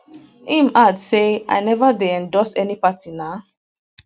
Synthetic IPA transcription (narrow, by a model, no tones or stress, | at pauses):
ĩmʔadseʔa̰jnɛvadeɛ̃ndɔsɛnipatina